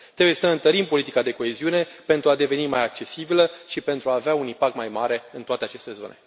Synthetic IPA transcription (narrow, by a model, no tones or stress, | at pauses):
t̪ɾebuje̞səɨnt̪əɾimpo̞lit̪ikad̪e̞ko̞e̞ziune̞pe̞nt̪ɾuad̪e̞ve̞nimajak̚t͡ʃe̞sibiləʃipe̞nt̪ɾuaːveaunimpak̚t̪majmaɾe̞ɨnt̪oat̪e̞at͡ʃe̞st̪e̞zo̞̰ne̞̰